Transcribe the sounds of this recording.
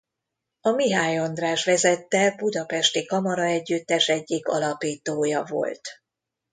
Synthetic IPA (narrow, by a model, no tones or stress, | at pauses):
ɒmiɦaːjo̞nd̪raːʃʋɛzɛt̪ːɛbud̪ɒpɛʃt̪ikɒmɒɾɒɛɟːyt̪ːɛʃɛɟːikɒ̰lɒpiːt̪oːjɒvo̞̰lt̪